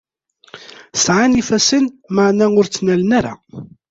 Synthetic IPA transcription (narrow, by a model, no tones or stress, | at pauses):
sʕanifæsənmaʕnaʊɾt͡sːnælnaɾa̰